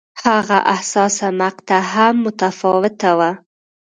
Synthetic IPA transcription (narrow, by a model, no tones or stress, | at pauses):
haɣa̰ʔahsɑsamaqt̪aɦamːʊt̪afɑwɪt̪awa